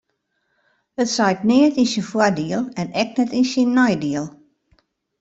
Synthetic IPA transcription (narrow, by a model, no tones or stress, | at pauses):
ətsɛjkneətisənfwadiəlˠɛnɛk̚nɛtisinːɔjdiəlˠ